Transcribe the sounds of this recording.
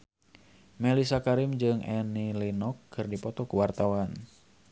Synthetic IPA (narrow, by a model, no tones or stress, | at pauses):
mɛlisakaɾɪmd͡ʒɨŋʔɛnilinɔkʰːɨrdipɔt̪ɔkuwart̪awan